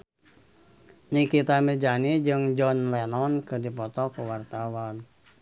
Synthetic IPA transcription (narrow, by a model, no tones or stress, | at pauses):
nikit̪amid͡ʒanid͡ʒɨŋd͡ʒɔnlɛnɔnkɨdipɔt̪ɔkəwart̪awan